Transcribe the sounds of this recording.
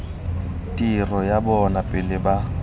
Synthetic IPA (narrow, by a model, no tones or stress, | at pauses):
tʼirɔjabɔnapʼɪlɪba